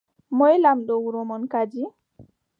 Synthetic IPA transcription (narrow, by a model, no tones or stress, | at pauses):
mɔjlamɗɔwuɾɔmɔnkad͡ʒi